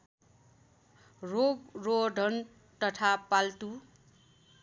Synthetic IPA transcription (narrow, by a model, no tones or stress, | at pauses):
roɡroɖʱʌn | t̪ʌt̪ʰapalt̪u